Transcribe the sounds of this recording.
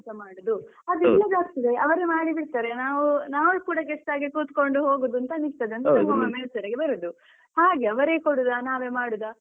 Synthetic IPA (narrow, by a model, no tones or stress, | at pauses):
t̪ɐmaːɽud̪u | ɐd̪uilːɐd̪aːɡ̚t̪id̪eʔɐʋɐɾemaːɽibiɽt̪aːɾenaːʋunaːʋɐɭkuːɽɐɡɛʂʈaːɡekuːt̪ko̞ɳɖuɦoːɡod̪uɐnt̪ɐnikt̪ɐd̪eɐnt̪ɐɐɡomɐmeːsɐɾɐɡebɐɾud̪u | haːɡeɐʋɐɾekoɽud̪anaːʋeːmaːɽud̪a